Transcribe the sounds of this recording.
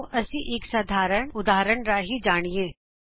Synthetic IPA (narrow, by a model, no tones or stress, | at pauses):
ʔɐsiʔeːksaːd̪ʱaːɾəɳʊd̪aːɦɾəɽɾaɦid͡ʒaːɽ̃iẽː